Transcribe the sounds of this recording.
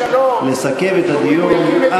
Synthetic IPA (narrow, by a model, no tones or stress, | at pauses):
lesakevet̪ad̪ijoa